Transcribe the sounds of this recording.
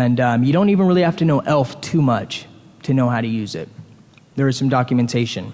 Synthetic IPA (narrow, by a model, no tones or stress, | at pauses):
ɨ̃nʌmjɨɾõʊ̃ntivɨ̃nɹɪlˠihæftɨnoʊʔɛlˠftʰʉmʌt͡ʃtʰɨnoʊɦaʊɾɨjʉzɪ̰t̚ | ðə˞ɨz̥sʌ̃mdɑkjɨmɨ̃ntʰeɪʃɨ̃n